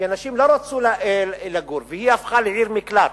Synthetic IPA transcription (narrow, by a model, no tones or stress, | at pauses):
anaʃiːmloɾˤat͡sulalaɡuːɾvɪhiʔafxalʕiːɾmɪklaːɾ